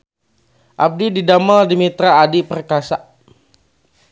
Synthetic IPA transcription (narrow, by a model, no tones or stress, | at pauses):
ʔab̚dididamaldimit̪ɾaːdipərkasaʔ